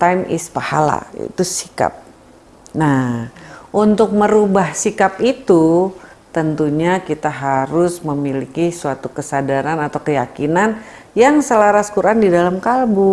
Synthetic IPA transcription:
t̪ajmḭspahala̰ḭt̪usi̥ka̰p̚ | nahʔunt̪ʊk̚məɾubahsikapit̪u | t̪ənt̪uɲakit̪aɦaɾʊsməmilikisuat̪ukəsadaɾanat̪awkəjakinan | jaŋsəlaɾaskuɾʔandidalamkalbʊ

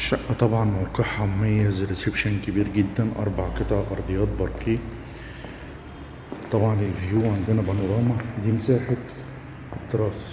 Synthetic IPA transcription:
ʃaʔːat̪ˤɑbʕɑnmawqiːħammajːazɾɪsɪbʃankɪbiːɾɡɪd̪ːænʔɑ̰ɾˤbɑʕkɪt̪ˤɑʕʔɑɾˤd̪ˤɨjɑːt̪̚bɑɾˤkiː | t̪ˤɑbʕɑnlɪlvjuːʕɪnd̪ɪnabanoɾˤɑːmad̪iːmsaːħɪt̪ | ʔɪt̪ːɾˤɑːs

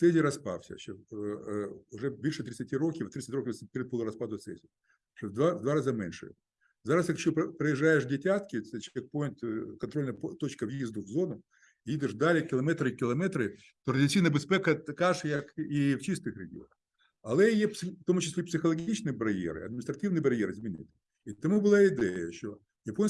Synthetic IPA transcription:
t̪sɛzʲɪɾɐspa̰fsʲə̰ɕo | ʊʐɛvʲɨʂɨt̪ɾʲɪt̪sɨtʲiɾokʲɪvt̪ɾʲt̪sɨt̪ʲokʲɪvsʲpʲɪɾʲɪt̪̚polˠʊɾɐspad̪ʊt̪sɛ̰zʲɪ | ʂod̪ad̪vaɾazamʲenʲʂɨ̰ | zaɾaskakɪ̥ɕːoppɾəjɪʐːajɪʂdʲɪtʲat̪kʲɪt͡ɕʲek̚ponʲt̪kɐnt̪ɾo̞lʲnəjpt̪o̞t͡ɕkəvjizd̪ʊvzo̞nʊ | jid̪ɪʂd̪alʲɪkʲɪlˠɐmɛt̪ɾɨkʲɪlˠɐmɛt̪ɾɨ | t̪oʐdʲɪsʲitnəbɨspʲɛkɐkaʂjakift͡ɕist̪ɨxɾʲɪɡʲɪo̞̰nəx | ɐlˠɛjepsʲɪft̪omut͡ɕɪsʲlʲepsʲɪxɐlˠɐɡʲit͡ɕnɨjbɐɾʲjḛɾɨ̰ɐd̪̚mʲɪnʲɪst̪ɾɐtʲivnɨjbɐɾʲjeɾɪzmʲɪnʲɪ̰t̪ | it̪ɐmubɨlˠaɪd̪ɛjə̰ɕo | jɐponʲ

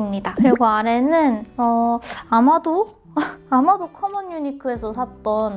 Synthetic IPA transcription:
mɲidakɯɾe̞ɡoaɾe̞nɯnʌamado | amadokʰʌmʌɲːuɲikʰɯe̞sʰʌsʰat͈ʌn

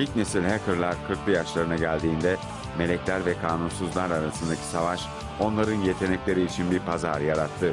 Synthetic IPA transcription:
ilʲcnesilʲhekɯɾlʲˠaɾkʰɯɾklˠɯjaʃlˠaɾɯnaɟælʲd̪iːnd̪ɛ | me̞lʲɛclʲæɾvɛkʰaːnunsuzlˠaɾaɾasɯnd̪acʰi̥savaʃ | o̞nlˠaɾɯnje̞t̪ʰe̞nɛclʲe̞ɾiːt͡ʃʰinbiɾpʰazaɾjaɾat̪ʰːɯ

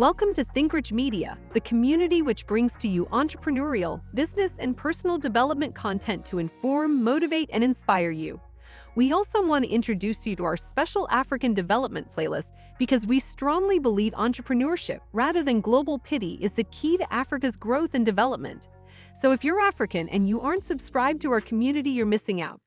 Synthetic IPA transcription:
wɛlˠkə̃mtʰɨθɪ̃ŋkɹɨd͡ʒmiɾiɨ̰ðɨkʰəmjʉnɨɾiwɨt͡ʃb̥ɹɪ̃ŋz̥tʰɨjɨʔɑ̃ntt͡ʃɹ̥əpʰɹɨnɔɹil̩ˠbɪznɨsɨ̰̃npʰɜ˞sn̩l̩ˠdɨvɛlˠəp̚mɨ̃nkʰɑ̃ntʰɛ̃ntʰɨɨ̃ɱfɔɹmːoʊɾɨveɪɾɨ̰̃ñɨ̃nspaɪə˞jʉ̰ | wiɔlˠsoʊwɑ̃ntɨ̰ʔɪ̃nt͡ʃɹ̥ɨdʉsjɨɾəaʊə˞spɛʃl̩ˠʔæfɹɨkɨ̃ndɨvɛlˠəp̚mɨ̃ntfʰl̥eɪlˠə̰s | b̥ɨkʰʌzwistɹ̥ɔ̃ŋlibəlivɑ̰̃nt͡ʃɹ̥əpʰɹɨnɔɹʃɪ̰p̚ɹæðə˞ðɨ̃nɡloʊbl̩ˠpʰɪɾiʔɨzðɨkʰiɾɨʔæfɹɨkɨzɡɹoʊθɨ̃ndɨvɛlˠəp̚mɨ̰̃nt | soʊɨfjə˞æfɹɨkɨ̃nʔɨ̰̃njɨʔɑɹntsɨbskɹaɪb̚tʰɨaʊə˞kʰmjʉnɨɾijə˞mɪsɪ̃ŋa̰ʊt̚

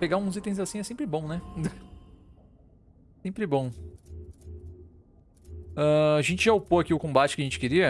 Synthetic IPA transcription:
peɡaũzit̪ẽj̃zasĩɛsẽmpɾɪbõw̃nɛ | sẽmpɾɪbõw̃ | ɐaʒẽnt͡ʃɪʒaopoakiʊkõbat͡ʃɪ̥kɪɐʒẽnt͡ʃɪ̥kɪɾiɐ

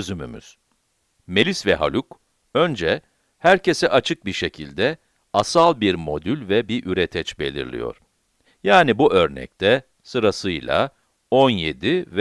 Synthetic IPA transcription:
zymy̰my̰z̥ | me̞lʲisvɛɦa̰lʲuk | ø̞nd͡ʒɛ | hæɾcʰe̞sɛʔat͡ʃʰɯk̚biɾʃe̞cʰilʲd̪ɛ | asalˠbiɾmo̞d̪ylʲvɛbiʔyɾet̪ʰɛt͡ʃbe̞̰lʲḭɾlʲḭjo̞̰ɾ̥ | jaːnibuʔø̞ɾnɛ̰c̚t̪ʰɛ | sɯɾasɯjlˠa̰ | o̞nje̞d̪iv

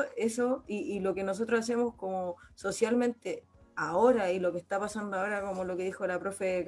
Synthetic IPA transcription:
esoiːlo̞kenos̬ot̪ɾosas̬e̞moskomoso̞sjalmẽ̞nt̪e̞ | ao̞ɾailo̞kest̪apasand̪oao̞ɾako̞mo̞lo̞ke̞ðixo̞lapɾofeðek

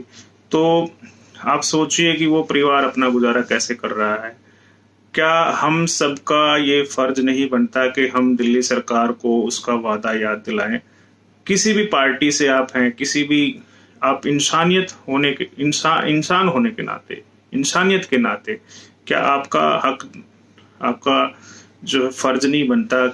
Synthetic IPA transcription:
t̪oː | aːpsoːt͡ʃiekiʋopɐɾɪʋaːɾɐpnaɡʊzaːɾakɛːsekɐɾːɐɦaɦɛː | kjaːhɐmsɐbʱkajefɐɾd͡ʒnɐɦĩbɐnt̪akiɦɐmd̪ɪlːisɐɾkaːɾkoʊskaʋaːd̪ajaːd̪ːɪla̰ːẽː | kɪsibʱipaːɾʈiseaːpɦɛ̃kɪsibʱi | aːpɪnsaːnijət̪ɦoːnekeɪnsaːʔɪnsaːnɦoːnekena̰ːt̪ḛ | ɪnsaːnijət̪kenaːt̪ekja̰ːʔa̰ːpka̰hɐk | a̰ːp̚ka | d͡ʒoːɦɛfɐɾd͡ʒnɐɦĩbɐnt̪a

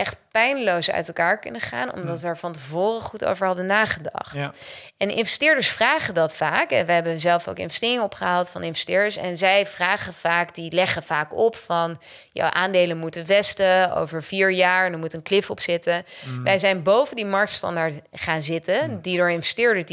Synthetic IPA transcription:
ʔɛχtpɛjnlowsœ̰ɥtɛlˠkaːɹkɵnəχa̰ːnɔ̰mdɑtaːɹvɑntəvʊːrəχuto̰wvəɹɦɑdənaːχədɑ̰χt | ɛnʔɪ̰nvɛstɪːɹdəɹsfraːχəndɑtfaːkɛʋɛɦɛbəzɛlˠfo̰wkɪ̰nvɛstɪːrɪŋəɔpχəɦaːlˠtfɑnɪnvɛstɪːɹdəɹsɛ̰nzɛjvraːχəv̥aːkdilɛχəv̥aːkɔpfɑn | ja̰wʔa̰ːndejləmutənʋɛstəo̰wvəɹviːɹjaːɹɛnəɹmutənklɪfɔpsɪtəʋɛjzɛjnbowvəndimɑɹk̚tstɑ̰ndaɹtχaːnzɪtəndidʊːɹɪnvɛstɪːɹdə

